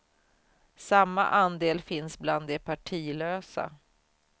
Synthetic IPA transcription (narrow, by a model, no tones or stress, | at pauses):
samːa̰ʔand̪eːlfɪnsbland̪ɛpʰaʈʰiːløːsa̰